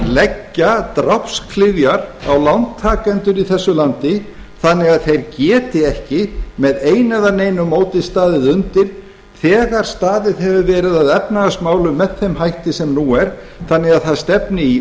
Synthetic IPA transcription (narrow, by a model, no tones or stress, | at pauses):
lɛcːat̪ɾapskʰlɪvjaɾa̰wlant̪ʰːaːkɛnt̪ʏɾiθɛsːʏlant̪ɪ | θanːɪɣaðθejɾcɛːt̪ɪɛhcɪmɛðeːjnaðaneːjnʏmoːwt̪ɪðst̪aːðɪðʏnt̪ɪɾ̥ | θɛːɣaɾ̥st̪aːðɪðɦɛvʏvɛːɾɪðaðɛpnaɣasmaːwlʏmːɛðθejmɦajht̪ɪsɛmnuːɛɾ̥ | θanːɪɣaðθaðst̪ɛpnɪi